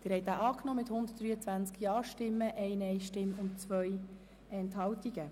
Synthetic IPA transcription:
d̪̥ɪːɾhɛɪt̪aʔɑːknɔːmɪt̪hʊnd̪ət̚d̪ɾyːət͡sʋænt͡skjɑːʃtɪmːəʔɛɪnɛɪʃtɪmʊntt͡svœj | ɛnthɑltiɡ̥ə

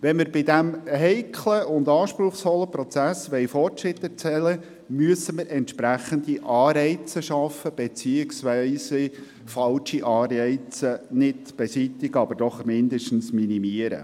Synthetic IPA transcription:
ʋɛnməɾbɪdæmɦɛɪkʰləʊnd̪ɑːʃpɾʊχsfɔlːəpɾɔt͡sæsʋɛjfɔrtɾɪtːɛɾt͡sɛlə | myəsəməɾʔɛnt̪ʃpɾæχənd̪iʔɑːɾɛɪt͡səʃɑfəb̥et͡siːɪksʋɛɪsə | fɑlʃiʔɑːrɛɪt͡sənɪtb̥esitɪɡəɑbəɾd̥ɔχmɪnd̪əʃtən̩sminimiəɾə̰

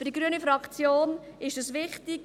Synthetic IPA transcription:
fəd̥iɡɾyənifɾɑkt͡sjoːnɪʃəsʋɪχtɪk

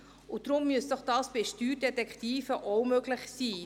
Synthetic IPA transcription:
ʊd̥ɾʊmːyəsd̥ɔχd̥ɑːsb̥eʃtyːɾdɛtɛktiːfəʔoʊmøɡlɪçsiː

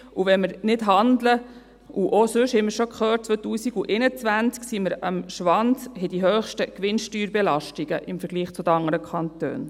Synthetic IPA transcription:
ʔuʋɛnməɾnɪdɦɑndlə | uʔosɵʃhɛməɾʃokχøːt̚t͡sʋøtuːsiɡuʔenət͡sʋænt͡sksiːməɾəmʃʋɑndhɛd̥iɦøːχʃtəkʋɪnʃtyːɾbɛlɑʃtiɡ̥əʔɪmfəɾɡ̥liːχt͡sʊd̥̪əɑŋːəɾəkʰɑnt̪ø̰ːn

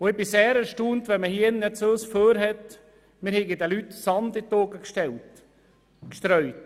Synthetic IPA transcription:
ʊɪbɪseːɾæɾʃtuːntʋɛməhiənːɛt͡søːsføːɾɦɛt | mɪɾhɛɡədɛlytsɑnd̪ɪt̪oːɡəkʃtɛlt | kʃt̪ɾœʏt

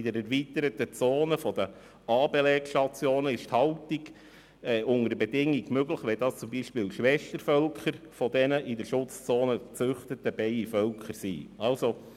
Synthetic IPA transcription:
ɪd̥əɾɛɾʋit̪əɾət̪ət͡soːnəfɔd̥ə | ɑːbelɛːkʃtɑt͡sjoːnəɪʃthɑltiɡ̥ | ɛʊŋəɾəbɛdɪŋːiɡmøɡləχʋɛd̪ɑːst͡sʊmbiʃpɪːlʃʋɛʃtəɾfœlkχəɾfɔdɛnəʔɪdəɾʃʊt͡st͡soːnət͡sʏχtət̪əb̥ɛɪifœlkʰəɾsḭɑlso

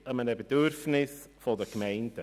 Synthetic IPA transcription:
əmənəbedʏɾfnɪsfodəkmɛɪnd̥ə

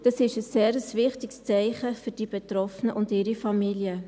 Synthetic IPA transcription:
d̥ɑsɪʃəsːeːɾəsvɪχtɪkst͡sæɪχəfʏd̥ibetɾɔfnəʔʊndɪːɾifɑmiljə

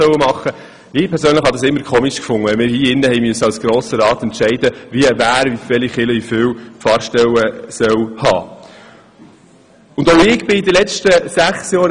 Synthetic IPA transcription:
œwəmɑχːə | mɪːpʰɛɾsøːnləχhɑd̪ɑsɪmːəɾkʰχoːmiʃkfʊŋəɛmɪːɾhiːɪnːəhɛɪmyəsːəɑwsɡ̥ɾoːsəɾɑːt̪ɛntʃɛɪd̪əʋivæːɾvivɛliχɪləiføwfɑːɾʃtɛwəsœwhɑ̰ː | ʊnd̪oʊɪɡ̥b̥ɪid̪əlɛt͡ʃtəsæχsjɔːɾ

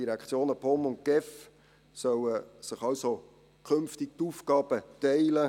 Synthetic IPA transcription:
iɾɛkt͡sjoːnəpʰɔmʊnt̚ɡ̥ɛf | sœwəsɪχɑlso | kʰʏmftɪk̚tuːfkɑːb̥ətɛɪlə

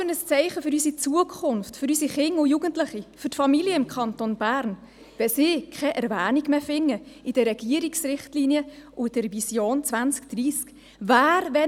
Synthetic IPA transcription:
ənəst͡sɛɪχəfʏɾysit͡suəkʰχʊnftfʏɾysiχɪŋʊjuɡəntlɪχifʏtfɑmiliəɪmkʰχɑntonb̥æːɾn | ʋɛsɪːkʰχɛʔɛɾvæːniɡmeːfɪŋːəid̥əɾɛɡ̥iəɾiksɾɪχtliniəʔʊd̥əɾvisjoːnt͡sʋænt͡skd̥ɾiːsk | væːɾvɛ

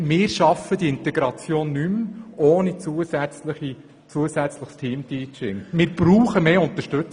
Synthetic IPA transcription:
mɪːɾʃɑfəd̪iɪnt̪ɛɡɾɑt͡sjoːnːymʔoːnit͡suəsɛt͡sləi | t͡suəsæt͡sləχstʰiːmtʰiːt͡ʃɪŋmɪːɾb̥ɾuːχəmeːʊnt̪əʃtɵt͡s

